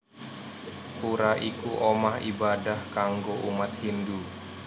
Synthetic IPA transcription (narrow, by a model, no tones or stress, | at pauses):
kuɾaʔikuʔomahḭbadahkaŋɡoʔumat̪̚hindu